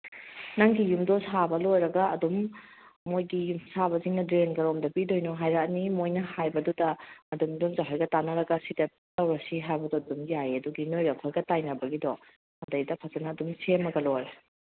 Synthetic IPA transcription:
nɐŋɡijumdɔsabɐlojɾɐɡɐːdumː | ojɡiusabɐziŋnɐdɾenɡɐɾomdɐpidojnɔɦajɾanimojnɐhajbɐdudɐmɐdumdumzaɦajɡɐtanɐɾɐɡɐsidɐ | tɐwɾɐsiɦajbɐdɔdumjajɐduɡinojɡɐɐkʰojɡɐtajnɐbɐɡidɔ | ɐndɐjdɐpʰɐzɐnɐːdumsemɐɡɐlojɾa

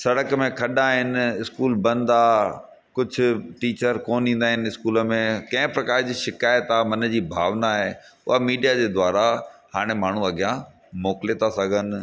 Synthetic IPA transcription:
sɐɽəkmẽkʰɐɗaɦɪnɪɪskuːlbɐ̃nd̪a | kʊd͡ʑʱʊ̆ʈiːt͡ɕəɾkoːnĩːnd̪aːɦɪnɪɪskuːləmẽkɐ̃ɦɪ̃pɾɐkaːɾd͡ʑiːʃɪkaːjət̪aːmɐnə̆d͡ʑiːbʱaːʋnaɦeːʊ̰ɦamiːɖijad͡ʑeːd̪waːɾahaːɽ̃emaːɳ̤ũɐɡʱijã | moːklet̪ʰasɐɡʱənɪ̆

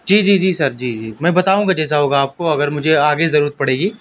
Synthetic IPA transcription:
d͡ʒiːd͡ʒiːd͡ʒiːsɐɾd͡ʒiːd͡ʒiːmɛ̃ːbɐt̪aːũːŋɡad͡ʒɛːs̬aɦoːɡaːp̚koɐɡəɾmʊd͡ʒʱeaːɡezɐɾuːɾət̪̚pɐɽeːɡiː

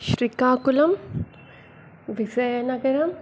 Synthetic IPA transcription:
ʃɾikaːkulɐm | ʋisɐjɐnɐɡɐɾɐm

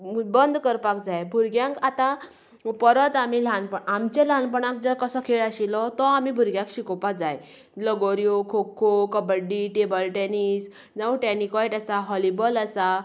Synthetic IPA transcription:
bənd̪ʱkəɾpakd͡zajbʱuɾɡjãkat̪ã | pəɾət̪amilanpəɳamt͡ɕẽlanpəɳãkd͡zəɾkəsɔkʰeɭaɕilɔt̪ɔamibʱuɾɡjãkɕikɔpad͡zaj | ləɡoɾjokʰokʰːokəbəɖiʈebəlʈɛnis | d͡zauʈɛnikɔjʈasaɦɔlibəlasa

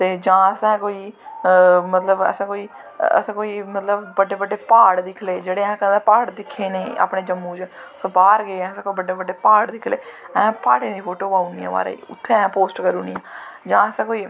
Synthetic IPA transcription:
t̪eːd͡ʒãːəsɛ̃ːkoːiː | mət̪ləbə̰sãːkoːiː | ə̰sãːkoːiːmət̪ləbbəɖeːbəɖːeːpaːɽd̪ɪkʰleːd͡ʒeːɽeːɛ̃ːkə̃nd̪aːpaːɽd̪ɪkʰːeːneːa̰ːpɳeːd͡ʒəmːũːt͡ʃsãːbaːɾɡeːɛ̃ːəsẽːkoːibəɖeːbəɖeːpaːɽd̪ɪkʰlḛːɛ̃ːpaːʈẽːd̪iːpʰoːʈoːpaːunijã̰ːʋa̰ːɾ̰ḭʊ̰t̪ʰːeːɛ̃ːpoːsʈkəɾuːniãːd͡ʒãːəsɛ̃ːkoːiː

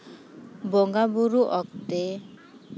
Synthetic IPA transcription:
bɔŋɡabuɾuʔɔkt̪e

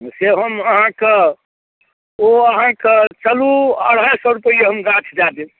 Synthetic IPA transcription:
seɦəməɦãke | oəɦãket͡ʃəluə̰ɽ̤ajsɔɾupəijeɦəmɡat͡ʃʰd͡ʒad̪e

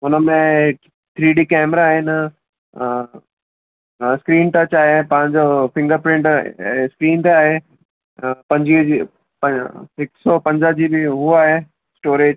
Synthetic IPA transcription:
ʊnəmẽ | t̪ʰɾiːɖiːkɛːmɾaːɦɪnɪ | skɾiːnʈɐt͡ɕaːɦepɐ̃ɦɪ̃ɲd͡ʑofʰɪ̃ŋɡəɾpɾɪ̃ɳʈskɾiːnt̪aːɦe | pɐ̃ɲd͡ʑii | pɦɪksɔpɐ̃ɲd͡ʑəd͡ʑiːbɪɦuaːɦe | sʈoːɾeːd͡ʑ

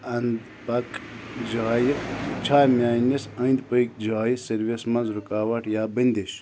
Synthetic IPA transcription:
ɐnd̪ | pɐkd͡ʒaːjit͡ʃʰaːjmʲaːnisɐnd̪pək̚d͡ʒaːjisɐɾʋismɐnzɾukaːʋɐʈjaːbɐnd̪eʃ

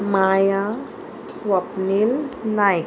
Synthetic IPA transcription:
maja | swapnilnaj

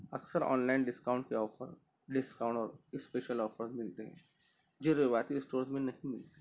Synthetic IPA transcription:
ɐksəɾɔ̰ːnlaɪnɖɪskaːʊ̃ɳʈkeɔːfə̰ɾ | ɖɪskaːʊ̃ɳʈɔːɾɪspeːʃəlɔːfəɾzmɪlt̪eɦɛ̰̃ | d͡ʒoɾɪʋaːt̪iɪsʈoːɾsmẽnɐɦĩmɪlt̪e̥

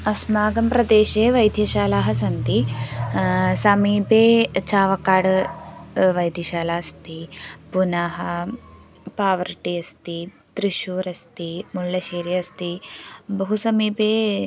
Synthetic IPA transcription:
ɐsmaːɡɐmpɾɐd̪eːʃeːʋɐjd̪ʱjɐʃaːlaːɦɐsɐnt̪i | sɐmiːpeːt͡ʃaːʋɐkaːɽɐ | ʋɐjd̪ʱjɐʃaːlaːɐst̪ipunɐɦɐ | paːʋɐɾʈiɐst̪i | t̪ɾiʃuːɾɐst̪imuljɐʃeːɾjɐɐst̪ibɐɦusɐmiːpeː

